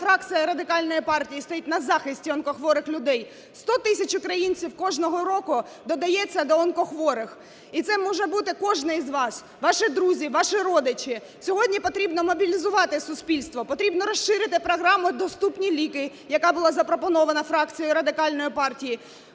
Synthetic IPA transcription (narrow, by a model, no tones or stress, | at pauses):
fɾɑk̪t͡s̪ʲɨjɐɾɐd̪ɪkɑlʲnɔjipɑrtʲijist̪ɔjitʲnɐzɑxɪsʲtʲiɔnkɔxʋɔɾɪxlʲʊd̪ɛj | st̪ɔt̪ɪsʲɐt͡ʃʊkɾɐjinʲt͡sʲiwkɔʒnɔɦɔɾɔkʊ | d̪ɔd̪ɐjɛt͡sʲːɐd̪ɔɔnkɔxʋɔɾɪx | it̪sɛmɔʒɛbut̪ɪkɔʒnɪizʋɑs | ʋɑʃɪd̪ɾuzʲiʋɑʃɪɾɔd̪ɪt͡ʃɪ | sʲɔɦɔdʲnʲipɔt̪ɾʲibnɔmɔbʲilʲizʊʋɑt̪ɪsʊsʲpʲilʲst̪ʋɔpɔt̪ɾʲibnɔɾɔʃːɪɾɪt̪ɪpɾɔɦɾɑmʊd̪ɔst̪upnʲilʲikɪ | jɐkɑbʊlˠɑzɐpɾɔpɔnɔʋɐnɐfɾɑk̚t͡sʲijʊɾɐd̪ɪkɑlʲnɔjipɑrtʲiji